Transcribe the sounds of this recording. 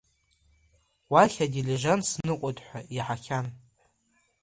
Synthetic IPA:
waχʲadiliʒansnɨkʷʼotʼħʷᶣaiħakʲʰan

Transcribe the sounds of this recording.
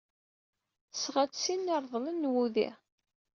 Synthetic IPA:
sʁæt͡ssinːəɾˤðˤlənːwuðḭ

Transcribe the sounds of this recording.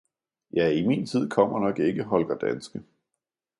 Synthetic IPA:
jɑ̈ɪimḭːnt͡sʰið̞̰ˠkʰɒ̽m̰ɐnɒ̽ɡ̥e̝ɡ̥əɦɒ̽lɡ̥ɐd̥ænsɡ̥ə

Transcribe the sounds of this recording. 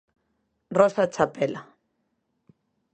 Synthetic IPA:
rɔsat͡ʃʰapʼɛla

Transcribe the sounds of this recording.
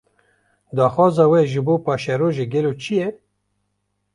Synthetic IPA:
d̪ɑːxwɑːzɑːwɛʒɨboːpɑːʃɛɾoːʒeɡɛloːt͡ʃʰijɛ

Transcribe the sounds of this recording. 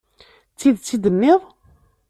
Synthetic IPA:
t͡sːiðt͡sːid̪əmːɪðˤ

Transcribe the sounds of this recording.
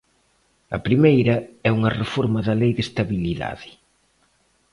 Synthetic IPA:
ɐ̰pɾimejɾɐɛuŋɐrefoɾmɐðɐlejðest̪aβiliða̰ðɪ

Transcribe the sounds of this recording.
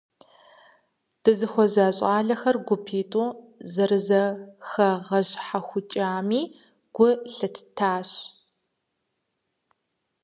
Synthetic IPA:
d̥ɨzɨxʷɔzaːɕʼɑːɮɐxɐrɡʷʊpʰiːtʼuːzɐɾɨzɐxɐʁɐʑħaxʷʊt͡ʃʼaːmiː | ɡ̥ʷʊɬɐtʰtʰaːɕ

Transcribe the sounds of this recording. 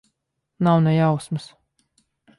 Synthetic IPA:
nawnɛjawsmɨs

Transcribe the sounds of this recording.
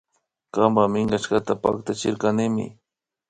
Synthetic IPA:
kambamɪŋɢaʃkat̪apa̰k̚t̪at͡ʃɪɾkanɪmɪ̰

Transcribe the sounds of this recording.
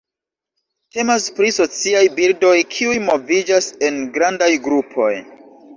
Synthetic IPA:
te̞maspɾiso̞t͡siajbildo̞jkʰiujmo̞vid͡ʒase̞nɡɾandajɡɾupʰo̞̰j

